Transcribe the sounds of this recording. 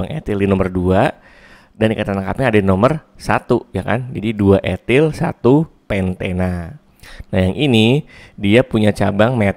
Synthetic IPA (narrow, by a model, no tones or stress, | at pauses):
aŋḛt̪ɪldinɔmərdua | danikat̪anaŋkapɲːdainomərsat̪ujaka̰nd͡ʒadiduaʔet̪ɪlsat̪upɛnt̪ena | najaŋʔinidiapuɲat͡ʃabaŋme